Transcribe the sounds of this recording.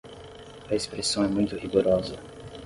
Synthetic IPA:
ɐespɾesɐ̃w̃ɛmũj̃t̪ʊhiɡoɾɔzɐ

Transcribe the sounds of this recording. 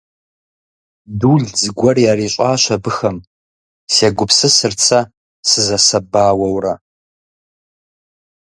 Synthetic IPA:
duːɮd͡zɨɡʷɔrjaːɾiːɕʷʼaːɕʷɐbɨxɐm | seːɡʷʊpsɨsɨrt͡sʰa | sɨzɐsɐbaːwɐwrɐ

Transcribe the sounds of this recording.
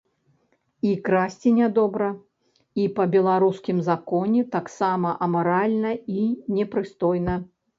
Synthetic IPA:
ikɾasʲt͡sʲinʲad̪ɔbɾɐ | ipɐbʲɛlˠaɾuskʲimzakɔnʲɛt̪aksamɐʔɐmɐɾalʲnɐinʲɛpɾɨst̪ɔjnɐ

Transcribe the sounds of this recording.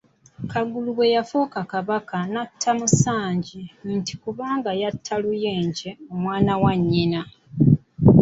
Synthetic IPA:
kaɡuluwe̞jafuːkakaβakanatʰːamusaːɲɟinti̥kuβaːŋɡajatʰːalujeːɲɟe̞omwaːnawaɲːina

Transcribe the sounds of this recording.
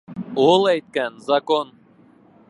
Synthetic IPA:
olˠæjt̪̚kænzɐkon

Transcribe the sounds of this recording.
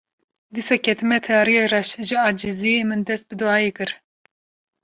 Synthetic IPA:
d̪isɑkʰɛt̪ɨmɛt̪ʰɛɑːɾijerɑʃʒɨɑːd͡ʒiziemɨnd̪ɛst̪̚bɨd̪uɑːjeːkɨɾ

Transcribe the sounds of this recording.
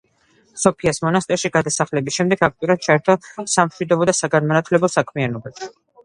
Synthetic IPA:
sɔpʰiasmɔnast̪ʼɛɾʃiɡad̪asaχlɛbisʃɛmd̪ɛɡak̚ʰt̪ʼiuɾat̪̚t͡ʃʰaɛɾt̪ʰɔsamʃwid̪ɔbɔd̪asaɡanmanat̪ʰlɛbɔsakʰmianɔbabʃi̥

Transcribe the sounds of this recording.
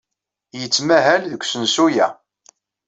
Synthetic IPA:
jət͡sːmæɦælðəkʷːsənsujæ̰

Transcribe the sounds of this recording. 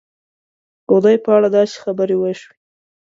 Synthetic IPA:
ɡ̥od̪ajpəaɽad̪ɑse̥xabəɾewəʃwe

